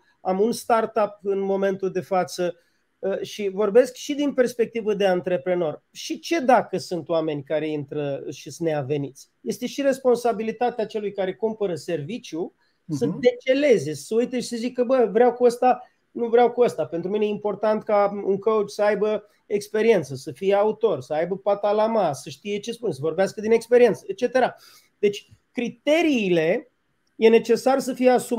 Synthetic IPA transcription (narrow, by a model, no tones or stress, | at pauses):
amunst̪art̪ap̚ɨnmo̞me̞nt̪uld̪e̞fat̪sə | ʃivo̞rbe̞skʃid̪inpe̞rspe̞k̚t̪ivəd̪e̞ant̪ɾe̞pɾe̞no̞rʃit͡ʃe̞d̪akəsunt̪oame̞nʲkaɾe̞int̪ɾəʃisneave̞nit̪sʲje̞st̪e̞ʃire̞spo̞nsabilit̪at̪eat͡ʃe̞lujkaɾe̞kumpəɾəse̞rvit͡ʃju | səd̪et͡ʃe̞le̞ze̞səujt̪eʃi̥səzikːəbəvɾeawkuəst̪a | nuvɾʲawkuəst̪ape̞nt̪ɾuminejeimpo̞rt̪ant̪kauŋkəwut͡ʃʲsəajbə | ekspe̞ɾie̞nt̪səsəfije̞aut̪o̞rsəajbəpat̪alamasəʃt̪ije̞t͡ʃe̞spunsəvorbeaskəd̪inekspeɾie̞nt̪səet͡ʃe̞t̪e̞ɾa | d̪e̞t͡ʃʲ | kɾit̪e̞ɾiːle̞ | je̞ne̞t͡ʃe̞sarsəfijeasu